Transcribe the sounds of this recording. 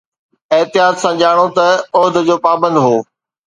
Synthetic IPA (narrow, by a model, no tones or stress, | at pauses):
ɪɦt̪ɪjaːt̪sãd͡ʑaːɽ̃ot̪ɐʊɦd̪ʱd͡ʑoːpaːbə̃nd̪ɦoː